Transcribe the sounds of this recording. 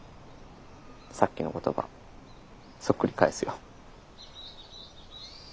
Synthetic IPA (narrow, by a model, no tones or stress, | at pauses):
sakʲːinoko̞t̪o̞ba̰ | sokːɯ̟ɾʲikaesɨjo